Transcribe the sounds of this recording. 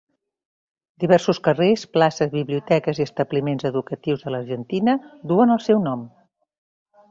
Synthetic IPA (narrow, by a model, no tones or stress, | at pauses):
d̪̥iβɛrsuskəresplasəzβiβliut̪ɛkəziəst̪əβlimenzəðukət̪iwzðələɾʒənt̪inəd̪uənəlˠsɛwnɔm